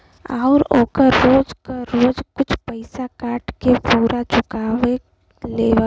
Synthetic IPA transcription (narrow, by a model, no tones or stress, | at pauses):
aʊɾoːkəɾːoːd͡ʒkaɾoːd͡ʒkʊt͡ʃʰpəɪsakaːʈkepuːɾʔat͡ʃʊkaːʋe | leːʋ